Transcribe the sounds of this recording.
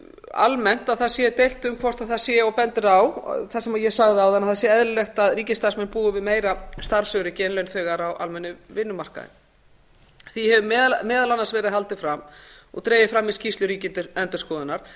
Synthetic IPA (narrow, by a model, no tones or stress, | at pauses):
a̰lmɛn̥t̪aðθaðsjɛt̪ejl̥t̪ʏmkʰvɔr̥t̪aðθaðsjɛɔpɛnt̪ɪɾaw̰θḁsɛmajɛsaɣðɪawðanːaθasjɛɛðɾlɛxt̪aðriːcɪst̪aɾsmɛnpuːʏvɪðmeːjɾast̪aɾsœɣɾɪcɛnlœɥnθœːɣaɾawʔa̰lmɛnːɪvɪnːʏmar̥ka̰ðɪ̰ | θihɛvʏmɛːðalanːansvɛːɾɪðhal̪t̪ɪfɾamɔ̰ɣt̪ɾeːjɪfɾamːɪðscist̪lʏɾiːcɪnt̪ɛnt̪ʏ̥skɔːðʏnːaɾ̥